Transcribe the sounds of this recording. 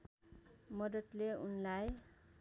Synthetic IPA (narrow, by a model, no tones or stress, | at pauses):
mʌd̪ʌt̪leunlaj